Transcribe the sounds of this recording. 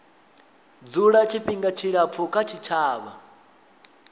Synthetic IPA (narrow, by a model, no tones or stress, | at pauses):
d͡zuɺat͡ʃʰiɸiŋɡat͡ʃʰiɺap̪fʰukʰat͡ʃʰit͡ʃʰaːβa̰